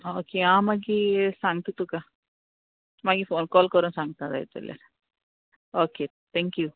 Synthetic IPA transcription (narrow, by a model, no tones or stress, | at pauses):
oːkeãmaɡisãŋɡ̚t̪ũt̪uka | maɡifoːnkɔːlkɔɾũnsãŋɡt̪ãza̰ːit̪ə̰lja̰ɾ | oːke | t̪ʰɛŋkju